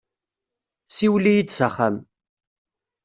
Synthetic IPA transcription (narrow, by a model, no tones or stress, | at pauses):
siwlijid̪səχæm